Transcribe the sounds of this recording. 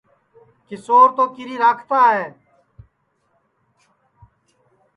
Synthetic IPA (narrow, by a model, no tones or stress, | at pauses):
kɪsoːɾt̪oːkɪɾiːɾaːkʰt̪aːɦeː